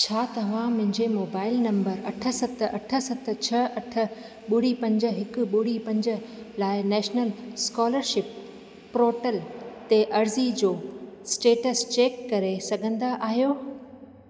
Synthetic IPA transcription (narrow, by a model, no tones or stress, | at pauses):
t͡ɕʰaːt̪ɐʋ̤ãmʊ̃ɦɪ̃ɲd͡ʑemoːbaːɪlnɐ̃mbəɾɐʈʰə̆sɐt̪̆ʰɐ̰ʈʰə̆sɐt̪̆ʰt͡ɕʰɐʔɐʈʰə̆ | ɓʊɽipɐ̃ɲd͡ʑə̆ɦɪkʊ̆ɓʊɽipɐ̃ɲd͡ʑə̆ | laːɪnɛːʃnəlskɔːləɾʃɪp̚ː | ɾoːʈəlt̪eʔɐɾzid͡ʑoːsʈeːʈəst͡ɕeːkːɐɾesɐɡʱə̃nd̪aʔaːɦijoː